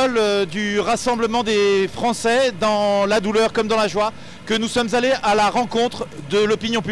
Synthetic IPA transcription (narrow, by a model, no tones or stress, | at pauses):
ɔld̪yʁasɑ̃bləmɑ̃d̪efχɑ̃sɛd̪ɑ̃lad̪ulœʁkɔmd̪ɑ̃laʒwa | kənusɔmzaleʔalaʁɑ̃kɔ̃t̪χd̪əlɔpinjɔ̃py